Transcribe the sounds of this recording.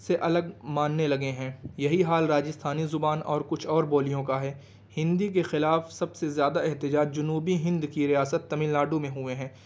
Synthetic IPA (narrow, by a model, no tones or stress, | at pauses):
seʔɐləɡmaːnːelɐɡeɦɛ̃ːjɐɦiɦaːlɾaːd͡ʒɪst̪ʰaːnizʊbaːnɔːɾkʊt͡ʃʰɔːɾboːlijõkaɦɛː | hɪ̃nd̪ik̬exɪlaːfsɐbsezjaːd̪aɛɦt̪ɪd͡ʒaːd͡ʒd͡ʒʊnuːbiɦɪ̃nd̪kiɾijaːsət̪ːɐmɪlnaːɖumẽɦʊeɦɛ̃ː